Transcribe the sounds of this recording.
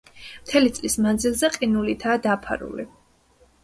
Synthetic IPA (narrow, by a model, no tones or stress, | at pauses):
mt̪ʰɛlit̪sʼlismand̪zilˠzɛqʼinulit̪ʰaːd̪apʰa̰ɾṵlḭ